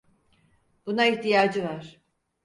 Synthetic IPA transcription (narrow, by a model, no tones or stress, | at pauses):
b̥unaiçt̪ijaːd͡ʒɯvaɾ̥